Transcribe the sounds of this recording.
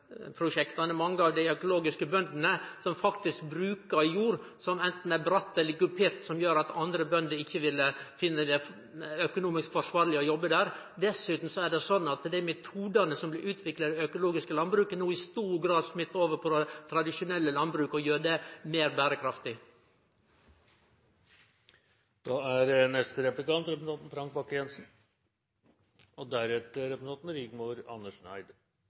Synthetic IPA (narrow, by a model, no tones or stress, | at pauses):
pʰɾʊʂɛkt̪ɑnəmɑŋːəɑʋd̪æɪœkʊloːɡɪskəbœnd̪nəsɔmfɑkt̪ɪsk̚bɾʉːkəɾjuːɾsɔmɛnt̪n̩æbɾɑt̪ːɛlːəɡʉpʰeːɾt̪sɔmjøːɾɑt̪ɑnd̪ɾəbœnd̪əɾɪçːəʋɪlːəfɪnːəd̪ɛ | œkʊnuːmɪskfɔʂʋɑːɾlɪəɔjɔbːəd̪æːɾd̪ɛsʉːt̪n̩sɔæɖɛsɔnːɑt̪d̪æɪmɛt̪ʰuːd̪ɑnəsɔmblɪʔʉːt̪ʰʋɪklɑɾɪœkʊloːɡɪskəlɑnbɾʉːkənuːɪst̪uːɾɡɾɑːd̪smɪt̪ːoːʋəɾpʰɔt̪ʰɾɑd̪ɪʂʊnɛlːəlɑnbɾʉːkɔjøːɖɛmeːɾbæːɾəkʰɾɑft̪ɪ | d̪̥ɑːæɾnɛst̪əɾɛplɪkɑnt̪ɾɛpnt̪ɑt̪n̩fɾɑŋk̚bɑkːjɛnsn̩ | ɔd̪æɾɛt̪əɾɛpnt̪ɑt̪n̩ɾɪɡmuɾɑ̰nːəʂnæ̰ɪd̪